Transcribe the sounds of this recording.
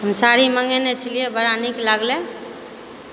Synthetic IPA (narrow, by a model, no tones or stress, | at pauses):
ɦəmsaɾiməŋɡenet͡ʃʰəlijebəɾaniklaɡle